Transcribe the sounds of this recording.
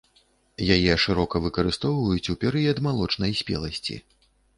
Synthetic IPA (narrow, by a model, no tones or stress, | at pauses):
jajɛʂɨɾɔkɐvɨkɐɾɨst̪ɔwvɐjut͡sʲupʲɛɾɨjɐd̪malˠɔt͡ʂnɐjsʲpʲɛ̰lˠɐsʲt͡sʲḭ